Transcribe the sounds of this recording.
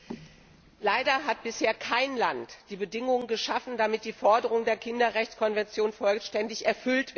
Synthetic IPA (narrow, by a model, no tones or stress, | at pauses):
laɪdɐɦat̚b̥ɪsheːɐkʰaɪnlantd̥iːbədɪŋʊŋənɡəʃafn̩damɪt̚d̥iːfɔɐdəʁ̞ʊŋdeːɐkʰɪndɐʁɛçt͡skʰɔnvɛnt͡sjoːnfɔlʃtɛndɪçɛɐfʏltv̥